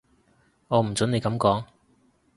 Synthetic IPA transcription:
ŋɔː˨˧m̩˨˩t͡sɵ˨˥ne˨˧jkɐ˨˧˥mkɔː˨˥ŋ

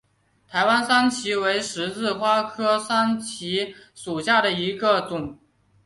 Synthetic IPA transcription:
t̪ʰa˧˥ɪwa˥nsa˥nt͡ɕʰi˧˥we˧˥ɪʂɻ̩˧˥t͡sɹ̩˥˩xwa˥kʰɤ˥sa˥nt͡ɕʰi˧˥ʂu˨˩ɕja˥˩d̪ə˩i˧˥ɡə˧t͡sʊ˨˩˦ŋ

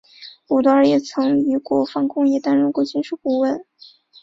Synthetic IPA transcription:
u˨˩t̪ɔ˧˥ə˞˧˥jɛ˥˩t͡sʰɤ˧˥ŋy˧˥kwɔ˧˥fɑ˧˥ŋkʊ˥˧ŋjɛ˥˩t̪a˥nɻə˥nkwɔ˧˥˩t͡ɕʰi˥nʂu˥˩pu˥˧wə˥˩n

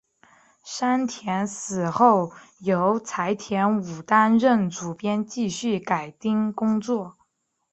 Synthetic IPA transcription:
ʂa˥nt̪ʰjɛ˧˥nsɹ̩˨˩xo˥˩ʊ | jo˧˥ʊt͡sʰa˧˥ɪt̪ʰjɛ˧˥nu˨˩t̪a˥nɻə˥˩nt͡su˨˩pjɛ˥nt͡ɕi˥˧ɕy˥˩ka˨˩ɪt̪i˥˧ŋkʊ˥ŋt͡swɔ˥˩

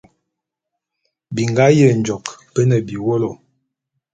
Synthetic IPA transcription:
bi˨ŋɡa˦jə˦˨n˨d͡ʒɔ˨kpə˦nə˨bi˨wo˦lo˨

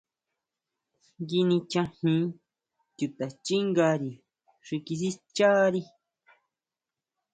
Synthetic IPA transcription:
ɡi˧nĩ˧t͡ʃã˧hĩ˧˦ | t̪u˧t̪a˨t͡ʃi˦ŋɡa˧ɾi˨ | ʂi˧ki˧s̬i˦t͡ʃa˦ɾi˦

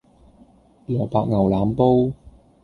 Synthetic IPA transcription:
lɔː˨˩paː˧k̚ŋɐ˨˩wlaː˨˥mpo˥w

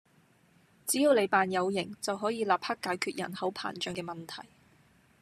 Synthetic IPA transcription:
t͡siː˨˥jiː˧wle˨˧jpaː˨njɐ˨˧wjɪ˨˩ŋt͡sɐ˨wɦɔː˨˥jiː˧laː˨p̚hɐ˥kːaː˨˧˥jkʰyː˨t̚jɐ̰˨˩nhɐ˨˥wpʰa̰ː˨˩nt͡ʃœː˨˥ŋkɛː˧mɐ˨nt̪ʰɐ˨˩j

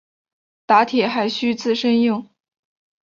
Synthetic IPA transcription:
t̪a˧˥t̪ʰjɛ˨˩xa˧˥ɪɕy˥t͡sʰɹ̩˥˩ʂə˥njʊ˥˩ŋ

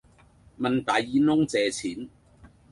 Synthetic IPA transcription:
mɐ˨nt̪aː˨˧jiː˨˧˥nʊ˥ŋt͡sɛː˨t͡sʰiː˨˥n

